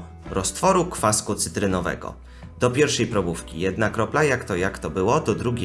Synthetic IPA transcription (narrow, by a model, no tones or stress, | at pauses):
ɾɔst̪fɔɾukfaskut̪sɘt̪ɾɘnɔvɛ̰ɡɔ̰ | d̪̥ɔpʲjɛɾfʂɛjpɾɔbufkʲḭjɛd̪nakɾɔplajakt̪ɔjakt̪ɔbɘwɔt̪ɔd̪ɾuɡʲ